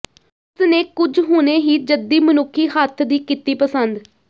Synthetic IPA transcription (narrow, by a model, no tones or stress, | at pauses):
ʊsneːkʊd͡ʒɦʊneːɦiːd͡ʒəd̪iːmənʊkʰːiːɦət̪ʰd̪iːkɪt̪iːpəsənd̪